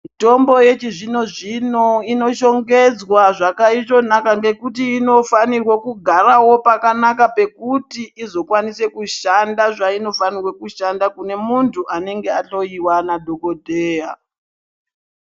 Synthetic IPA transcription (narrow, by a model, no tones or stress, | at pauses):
mito̞mbo̞je̞t͡ʃiʐino̞ʐino̞ino̞ʃo̞ŋɡe̞d͡zwaʐakait͡ʃo̞nakaŋɡe̞kutiːno̞fanirwekuɡʱaɾawo̞pakanakape̞kutiizo̞kwanise̞kuʃandaʐaino̞fanirwekuʃandakune̞muntʰuʔane̞ŋɡe̞at͡ɬo̞iwanadʱo̞kodʱeːja